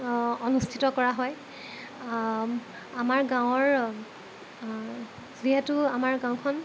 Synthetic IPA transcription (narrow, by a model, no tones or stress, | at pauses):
ɔnustʰitɔkɔɹaɦɔj | amaɹɡãw̃ɔɹ | ziɦetʊamaɹɡãw̃kʰɔn